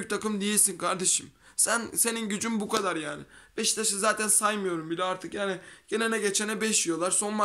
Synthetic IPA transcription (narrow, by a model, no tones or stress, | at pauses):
yt̪ʰakɯmd̪ijilʲsinkʰaɾd̪e̞ʃɯm | sænse̞ninɟyd͡ʒymbukad̪aɾjaːnɪb̥ɛʃt̪ʰaʃɯzaːt̪ʰænsajmɯjo̞ɾumbilʲɛaɾt̪ʰɯkjaːnɪɟ̥enenɛɟet͡ʃʰenɛbɛʃijo̞lˠaɾso̞nma